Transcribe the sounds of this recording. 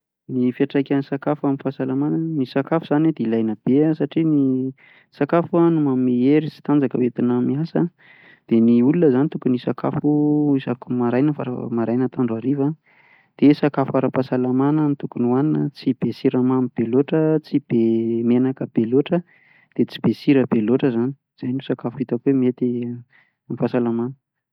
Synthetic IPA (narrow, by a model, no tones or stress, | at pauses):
nifiaʈ͡ʂajkʲansakafamifasalamanənisakafuz̥aned̪eilajnəb̥eəsaʈ͡ʂini | sakafuanumamieɾit͡si̥t̪and͡zakəwet̪inamiasə | d̪̥eniulunəzanit̪ukunisaka̰fuisakumaɾajnəfaɾə̰maɾajnət̪aɳɖ͡ʐaɾiva | d̪̥esakafuaɾəpasalamanənit̪ukunwaninət͡sib̥esiɾamamib̥eloʈ͡ʂət͡sib̥emenakəb̥eloʈ͡ʂə | d̪̥et͡sib̥esiɾəbeloʈ͡ʂəzani̥ | z̥ajnosakafuit̪akwemiet̪i | amifasalamanə̥